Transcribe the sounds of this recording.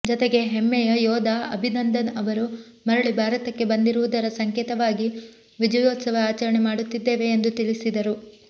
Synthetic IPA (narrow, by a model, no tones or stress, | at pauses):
d͡ʒɔt̪eɡe̞ɦemːɛjɐjɔːd̪ʱaɐbʱinɐnd̪ɐnɐʋɐɾu | mɐɾɐɭibʱaːɾɐt̪ɐkːe̞bɐnd̪iɾuʋud̪ɐɾɐsɐŋkeːt̪ɐʋaːɡi | ʋid͡ʒɐjoːt̪sɐʋɐaːt͡ʃɐɾɐɳemaːɽut̪ːid̪ːeːʋe̞ːnd̪ut̪ilisid̪ɐɾu